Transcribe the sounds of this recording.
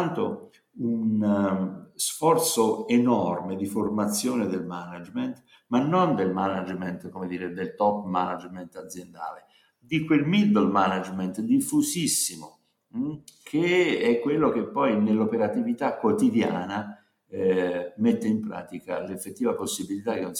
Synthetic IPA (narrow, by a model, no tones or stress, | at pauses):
ant̪o | un | sfɔrt̪soenɔrmed̪iformat̪sːjoːned̪elmanad͡ʒment̪ | manːond̪elmanad͡ʒment̪komed̪iːɾed̪elt̪ɔpːma̰na̰d͡ʒment̪ad̪zːjend̪a̰ːle | d̪ikwelmild̪əlmanad͡ʒmɛnt̪d̪ifːusisːimo | kʰeɛkːwelːok̟epːɔjnelːopeɾat̪ivit̪akːwot̪id̪jaːna | met̪ːeimpɾa̰ːt̪ika̰lefːet̪ːiːvaposːibilit̪akːenːon